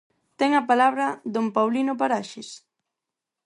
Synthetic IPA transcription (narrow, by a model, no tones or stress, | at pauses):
t̪ɛŋɐpalaβɾɐðompawlinop̬aɾaʃɪs